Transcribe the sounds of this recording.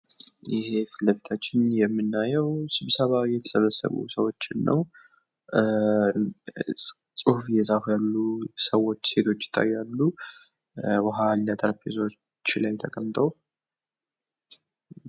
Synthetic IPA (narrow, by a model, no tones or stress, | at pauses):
jɪhe̞ləβet̪ʰat͡ʃːɪnjɛmːɨnːajɛwsɨβsəβajɛt̪ʰə̥səβəsə̰βṵsəwo̞t͡ʃːɪnːə̰w | sʼuhfjɛzʼafujalːusəwo̞t͡ʃːse̞t̪ʰo̞t͡ʃːɪ̥t̪ʰʼːa̰jːalːu | bəɦalːat̪ʰʼəɾpezo | t͡ʃːlajt̪ʰəkʼəmt̪ʰʼow